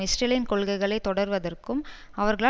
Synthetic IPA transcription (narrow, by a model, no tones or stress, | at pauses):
ɪsʈeːljɪnkɔɭɣɐɪɣɐɭɐɪt̪ːɔɽɐɾʋɐðɐrkɯm | ɐʋɐɾɣɐɭa